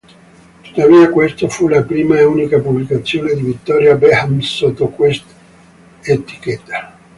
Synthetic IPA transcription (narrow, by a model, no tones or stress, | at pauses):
t̪u̥t̪ːaviːakwest̪ofulapɾiːmaeuːnikapublikat̪sːjoːned̪ivit̪ːɔɾjabehamsot̪ːokwest̪ | et̪i̥ket̪ːa